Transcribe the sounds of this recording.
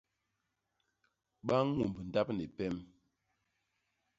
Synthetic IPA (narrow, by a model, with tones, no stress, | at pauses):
ɓa˦ŋ˦ŋu˨mbn̩˨da˦p̚ne˨pɛ˦m